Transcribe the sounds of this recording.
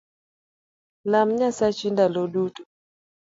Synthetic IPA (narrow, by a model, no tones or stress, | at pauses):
lam̩ɲasat͡ʃindaloɗutu̥